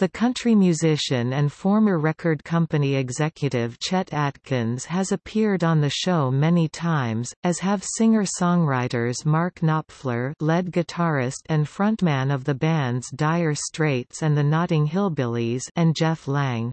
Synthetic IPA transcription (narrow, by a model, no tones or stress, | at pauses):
ðɨkʰʌ̃nt͡ʃɹ̥imjʉzɪʃɨ̃nɨ̃nfɔɹmə˞ɹɛkʰə˞d̚kʰʌ̃mpɨniɨɡzɛkʰjɨɾɪv̥t͡ʃʰɛɾætkʰɨ̃nz̥ɨzɨpʰɪɹɾn̩ðɨʃoʊmɛnitʰãɪ̃mzɨz̥ɨv̥sɪ̃ŋə˞sɔ̃ŋɹaɪɾə˞zmɑɹknɑpflə˞lɛd̚ɡɨtʰɑɹɪstɨ̃nfɹʌ̃nʔmæ̃nʌvðɨbæ̃ndzdaɪə˞stɹ̥eɪtsɨ̃nðɨnɑɾɪ̃ŋɦɪlˠbɪlˠizɨ̃nd͡ʒɛflæ̃ŋ